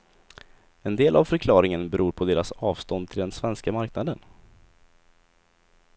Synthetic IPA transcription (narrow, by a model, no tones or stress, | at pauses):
ɛnd̪eːlʔavfœɾkʰlɑːɾɪŋənbɛɾuːɾpʰɔd̪eːɾasɑːvst̪ɔnd̪̚t̪ʰɪld̪ɛnsvɛnskamaɾknad̪ən